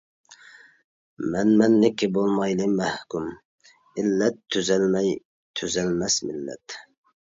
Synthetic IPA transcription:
mɛnmɛnːɪkʲʰːɪbolˠmɑjlɪmæhkum | ɪlːɛt̪ʰːøzɛlmɛj | t̪ʰøzɛlmɛsmɪlːɛ̰t̪

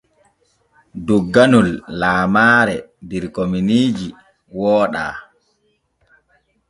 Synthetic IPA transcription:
duɡːanulːaːmaːɾɛdiɾkominiːd͡ʒi | wɔːɗa̰ː

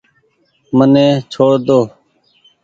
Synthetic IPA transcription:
mənẽːt͡ʃʰoːɾd̪oː

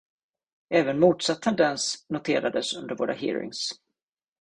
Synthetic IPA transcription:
ɛːvənmuːt̪sat̪ʰːɛnd̪ɛnsnʊt̪ʰeːɾad̪əsɵnd̪əɾvoːɾa̰hḭːɾɪ̰ŋs

